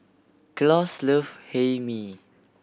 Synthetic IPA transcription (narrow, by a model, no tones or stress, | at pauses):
klɔsləfhemi